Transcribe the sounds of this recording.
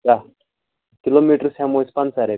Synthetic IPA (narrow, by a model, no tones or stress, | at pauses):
ka | kilomiʈəɾsãmospãnsaɾe